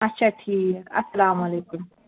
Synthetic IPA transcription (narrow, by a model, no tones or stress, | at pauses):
ɐtt͡ʃʰaʈʰiːkɐ̰sːɐlaːmɐlejkum